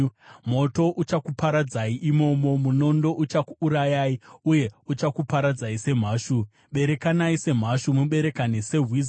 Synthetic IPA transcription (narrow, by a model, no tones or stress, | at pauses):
mo̞to̞ʔut͡ʃakupaɾad͡zaiʔimo̞mo̞muno̞ndo̞ʔut͡ʃakuːɾajaːiuje̞ut͡ʃakupaɾad͡zaise̞m̤aːʃu | ɓe̞ɾe̞kanaise̞m̤aʃumuɓe̞ɾe̞kanese̞ɦwiz